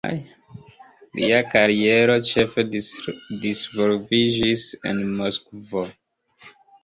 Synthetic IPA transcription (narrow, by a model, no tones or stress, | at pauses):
j | lḭakaɾie̞ɾo̞t͡ʃe̞fedisvolvid͡ʒisḛnmoskvo